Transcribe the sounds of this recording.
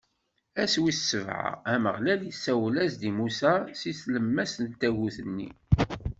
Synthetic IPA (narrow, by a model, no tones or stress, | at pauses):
æswissːəvʕa̰æməʁlæljisːæwlæzd̪imusæsiθləmːæsənt̪ːæɣuθənːḭ